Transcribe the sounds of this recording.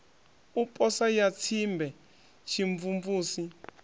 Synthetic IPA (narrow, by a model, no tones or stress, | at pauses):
upʼɔsajatʰimbʱɛ | ʃʰiɱvumvuːsi